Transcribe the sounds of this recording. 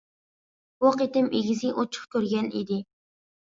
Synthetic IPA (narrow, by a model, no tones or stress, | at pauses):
woqet̪ɪmʔeɡʲizɪʔot͡ʃʰʊ̥χkʲøɾɡʲɛnḭd̪ɪ